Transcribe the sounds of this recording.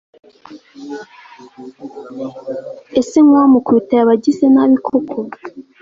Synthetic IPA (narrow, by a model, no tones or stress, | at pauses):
esiŋwamukutaaβaɟisenaβikʰokʰo